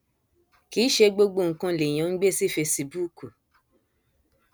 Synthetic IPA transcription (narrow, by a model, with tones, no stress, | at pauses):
kiː˨˦ʃe˧ɡ͡bo˧ɡ͡bo˦˨ŋ̩˨kã˧le˨j̃ã˨˦ŋ̩˦ɡ͡be˦si˦fe˧si˧bu˦ku˨